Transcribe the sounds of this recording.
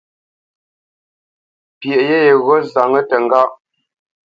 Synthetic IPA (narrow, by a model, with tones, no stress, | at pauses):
pje˨ʔje˦je˨ɣɔ˦za˨ŋə˦tə˨ŋ˨ɡa˦˨ʔ